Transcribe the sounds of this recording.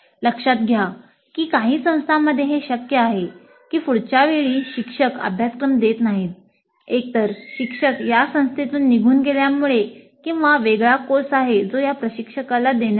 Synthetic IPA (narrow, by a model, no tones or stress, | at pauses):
ləkʂat̪̚ɡʱja | kiːkaɦiːsə̃w̃st̪ʰamːəd̪ʱːjeɦeɕəkjəaɦe | kiːfuɽt͡ɕaʋiɭiːɕikʂəkə̰bʱjaskɾəmd̪et̪naɦiːt̪̚ | ek̚t̪əɾɕikʂəkjasə̃w̃st̪ʰet̪uːnːiɡʱuːnɡeljamuɭe | kĩw̃ʋaʋeɡɭakosaɦed͡zojapɾəɕikʂəkalad̪en